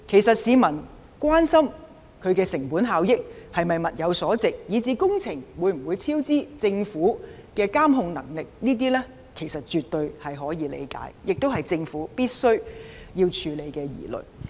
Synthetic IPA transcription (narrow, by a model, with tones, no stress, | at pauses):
kʰe˨˩jsɐ˨t̚siː˨˧mɐ˨˩n | kʷwaː˥nsɐ˥m | kʰɵ˨˧ɥkɛː˧sɪ˨˩ŋpuː˨˥nɦaː˨˧wjɪ˥k̚hɐ˨jmɐ˨jmɐ˨t̚jɐ˨˧wsɔː˨˥t͡sɪ˨k̚jiː˨˧t͡siː˨˧kʊ˥ŋt͡sʰɪ˨˩ŋwuː˨˧jm̩˨˩wuː˨˧jt͡sʰiː˥wt͡siː˥t͡sɪ˧ŋfuː˨˥kɛː˧kaː˥mɦʊ˧ŋnɐ˨˩ŋlɪ˨k̚niː˥t̪̬iː˥lɛː˥ | kʰe˨˩jsɐ˨t̚t͡ʃyː˨t̪ɵ˧ɥhɐ˨jɦɔː˨˥jiː˨˧lḛ˨˧jka̰ː˨˥jjɪ˨k̚t̪o˥wɦɐ˨jt͡sɪ˧ŋfuː˨˥piː˥t̚sɵ˥ɥjiː˧wt͡ʃʰyː˨˧le˨˧jkɛː˧jḭː˨˩lɵ̰˨˩j